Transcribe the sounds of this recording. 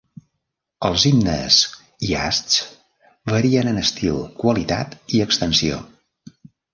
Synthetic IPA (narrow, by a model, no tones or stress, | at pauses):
əlˠzimnə̰s | ia̰st͡s | βəɾiənənəst̪ilˠkwəlit̪a̰t̪iəkst̪ənsio̰